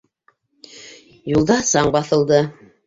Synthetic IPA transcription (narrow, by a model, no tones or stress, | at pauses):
julˠd̪ɑsɑɴbɑθɤ̆lˠd̪ɤ